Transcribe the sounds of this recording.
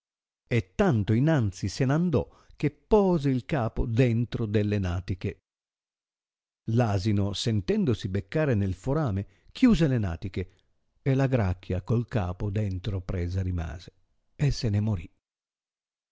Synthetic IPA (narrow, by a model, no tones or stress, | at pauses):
et̪ːant̪oinant̪sisenand̪ɔ | k̟epːɔːzeilkaːpod̪ɛnt̪ɾod̪elːenaːt̪ike | laːzinosent̪ɛnd̪osibekːaːɾenelfoɾaːme | k̟ʰjuːzelena̰ːt̪ik̟e | elaɡɾakːjakolka̰ːpod̪ɛnt̪ɾopɾɛːzaɾima̰ːz̥e | esːenemoɾi